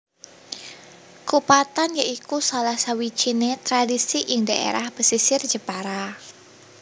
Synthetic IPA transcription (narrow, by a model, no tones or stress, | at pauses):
kupat̪anjaʔikusalahsawi̥t͡ʃinet̪ɾadisiʔɪŋdaʔḛɾahb̥əsisɪrd̥d͡ʒ̥əpaɾa